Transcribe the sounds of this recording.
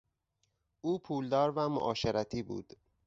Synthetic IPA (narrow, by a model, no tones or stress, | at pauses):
ʔuːpʰuːld̪ɒːɾvæmo̰ʔɒːʃeɾæt̪ʰiːbṵːd̪̥